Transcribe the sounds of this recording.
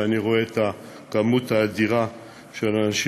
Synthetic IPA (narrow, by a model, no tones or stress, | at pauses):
aniʁoe̞t̪a | kamuthaːdiʁa | ʃelanaʃi